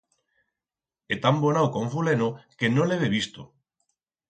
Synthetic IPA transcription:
et̪ambonawkoɱfulenokenõleβeβ̞ist̪o

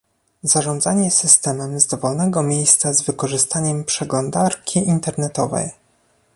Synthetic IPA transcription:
z̥aʐɔnd̪zaɲɛsɘst̪ɛmɛmzd̪ɔvɔlnɛɡɔmʲjejst̪sazvɘkɔʐɘst̪aɲɛmpʂɛɡlɔnd̪aɾkʲʰiʔint̪ɛɾnɛt̪ɔvɛ̰j

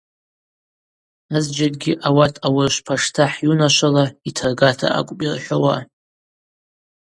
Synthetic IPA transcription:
azd͡ʒakʼɡʲiʔawatʼawɪrʃʷpʰaʂtʰaħjunaʃʷalaitʰarɡatʰa̰ʔa̰kʷʼpʼirħʷawa

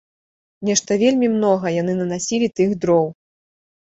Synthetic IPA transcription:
nʲɛʂt̪ɐvʲelʲmʲimnɔɣɐjanɨnɐnasʲilʲit̪ɨɣd̪ɾɔw

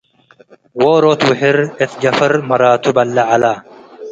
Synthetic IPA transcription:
woːɾoːt̪wɪɦɪɾet̪d͡ʒɐfɐɾmɐɾaːt̪ʰubɐlːɐʕalaː

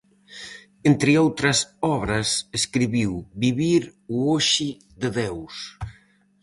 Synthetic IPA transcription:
ent̪ɾɪowt̪ɾɐsɔβɾɐseskɾiβiwbiβiɾuoʃi | ðeðews

